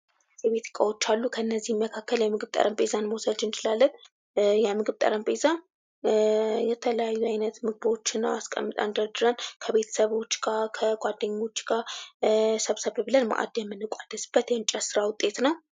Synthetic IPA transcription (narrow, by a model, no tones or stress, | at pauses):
zɛβet̪ʰɨ̥kʼawot͡ʃːalːukʰəɨnːəzːihjɛmːəkʰakːəljɛmɨɡɨβt̪ʼə̰ɾʔəmpʼezanmosəd͡ʒɨnt͡ʃɪlalːən | jɛmɨɡɨβt̪ʼə̰ɾəmpʼezan | jɛt̪ʰələjajːuajnət̪mɨɡ̚bo̞t͡ʃːɨnːaaskʼə̰mːɨt̪ʼa̰nd̪əɾd̪ɨɾankʰəβe̞t̪ʰə̥səβo̞t͡ʃːɡakʰəɡ̥ʷad̪ːɨɲːo̞t͡ʃːɡ̥a | səβsəβbɨlənma̰ʔa̰d̪jɛmːɨnːɨkʷʼad̪əsɨb̥ːət̪jɛnt͡ʃʼɛsɨɾawʊt̪ʼːe̞t̪nəw